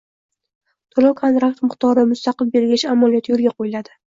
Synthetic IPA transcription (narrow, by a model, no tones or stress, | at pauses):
t̪ʰolawkʰont̪ɾak̚t̪mɨχt̪ɒɾɪmʊst̪aqɨlbe̞ɾɡʲaʃamːalˠijɒt̪ʰjolɡʲaqʰojɪlad̪ɪ